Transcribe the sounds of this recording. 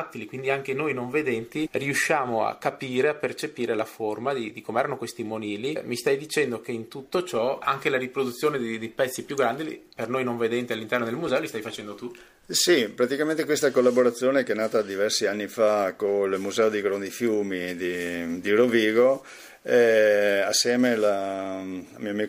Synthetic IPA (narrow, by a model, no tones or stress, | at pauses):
t̪ːilikwind̪iaŋkenojnoɱved̪ɛnt̪iriuʃːaːmoa̰kːapiːɾeapːert͡ʃepiːɾelaformad̪id̪ikʰomeɛɾanokwest̪imoniːlimist̪ajd̪it͡ʃɛnd̪okeint̪ut̪ːot͡ʃɔa̰ŋkelaɾipɾod̪ut̪sːjoːned̪ed̪ejpɛt̪sːipjuɡːɾand̪ḭpernojnoɱved̪ɛnt̪ialːint̪ɛrnod̪elmuzɛːolist̪ajfat͡ʃɛnd̪ot̪u | sipɾat̪ikamẽnt̪ekwest̪akolːaboɾat̪sːjoːnekeɛnaːt̪ad̪ivɛrsianːifakolmuzɛːod̪iɡɾond̪ifjuːmid̪id̪iɾoviːɡo | ɛasːjɛːmela | amioamiː